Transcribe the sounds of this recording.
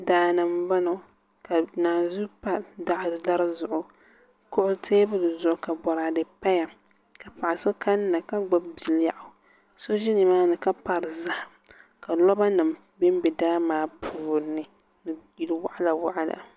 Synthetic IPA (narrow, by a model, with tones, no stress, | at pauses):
daː˨na˨m˦ba˦no˨˦ | ka˨naː˨zu˦pa˦da˨ʔɾda˦ɾzʊ˨ʔʊ˨ | kʊ˦ʔʊ˦tʰeː˦bɨ˦dɨ˨zʊ˨ʔʊ˨ka˨bɔ˨ɾa˨dɨ˨pa˦ja˨ | ka˨pa˨ʔa˨so˦kʰa˦nː˦a˨ka˦ɡ͡ba˦bbi˨lja˨ʔʊ˨ | so˦ʒi˦nɨ˨maː˦nɨ˨ka˦pa˨ɾɨ˨za˨h | ka˨lɔ˦ba˦nɨ˨m | bɪ˦m˦bɛ˨daː˦maː˦pʰuː˨˦nɨ˨ | nɨ˨ji˨lwa̰˦ʔa˦la˨wa˦ʔa˦la̰˨